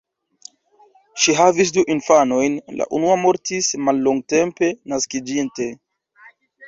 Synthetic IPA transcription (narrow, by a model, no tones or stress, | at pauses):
ʃiɦavis̬duʔinfano̞jnlʔa̰ʔunuamo̞ɾtismalːoŋɡ̚te̞mpe̞naskid͡ʒinte̞